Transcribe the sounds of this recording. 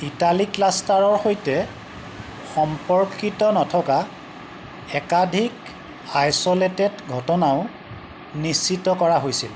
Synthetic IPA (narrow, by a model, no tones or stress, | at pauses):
italiklastaɹɔɹxojtɛ | xɔmpɔɹkitɔnɔtʰɔka | ɛkadʱik | ajsɔletedɡʱɔtɔnaʊ | nist͡ʃːitɔkɔɹaɦojsil